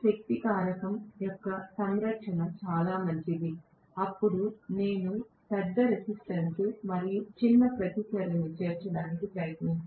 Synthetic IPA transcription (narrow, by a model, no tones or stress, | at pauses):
ʃɐk̚t̪ikaːɾɐkɐmjɔkːɐsɐŋɾɐkʂɐnɐmt͡ʃaːlaːmɐɲt͡ʃid̪i | ɐpːuɽune̞ːnu | pɛɾd̪ːɐɾesisʈɐnsmɐɾijut͡ʃinːɐpɾɐt̪ikɐɾɐnit͡ʃeːɾt͡ʃɐɽaːnikipɾɐjɐt̪nɐni